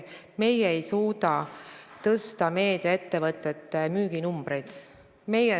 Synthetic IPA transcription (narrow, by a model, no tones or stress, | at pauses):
me̞jeejsuːd̪̥ɑt̪ɤst̪ɑme̞ːd̪̥jɑe̞t̪ːe̞vɤt̪ːˑe̞t̪ːˑemyːɡ̥inumb̥rejd̪̥ | me̞je